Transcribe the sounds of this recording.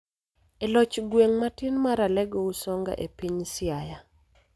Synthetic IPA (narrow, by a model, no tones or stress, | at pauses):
elɔt͡ʃɡweŋmatinmaɾalɛɡɔusɔŋɡa̰ʔepiɲsɪaja